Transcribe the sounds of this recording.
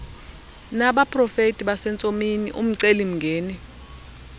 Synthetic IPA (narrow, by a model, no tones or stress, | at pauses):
naɓapʼrɔfetʼiɓasɛnt͡sʼominiʔum̩ǀelim̩ŋɡʱeːni